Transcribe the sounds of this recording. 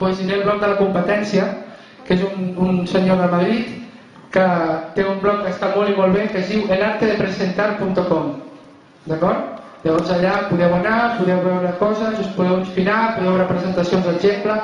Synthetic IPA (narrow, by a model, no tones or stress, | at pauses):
pwezinelˠβlɔk̪̚d̪əlakumpət̪ɛnsia | kezununsəɲoðəlmaðɾit̪ | kət̪eumblɔkkːəst̪amɔlimɔlˠβekəzðiwelaɾt̪əðəpɾəzent̪aɾpunt̪okɔm | d̪akɔɾt̪ | ʎaβɔnzaʎapuðɛwanapuðɛwβɛwɾəkɔzəzospuðɛwunsfinapuðɛwβɛwɾapɾəzent̪asionzðəʒemplə